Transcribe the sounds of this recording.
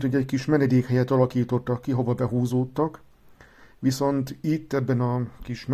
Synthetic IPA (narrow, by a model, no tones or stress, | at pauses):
t̪hoɟɛckiʃmɛnɛd̪eːkhɛjɛt̪ɒlɒkiːt̪o̞t̪ːɒkːiɦo̞vɒbɛɦuːzoːt̪ːɒk | ʋiso̞nt̪it̪ːɛbːɛnɒkiʃm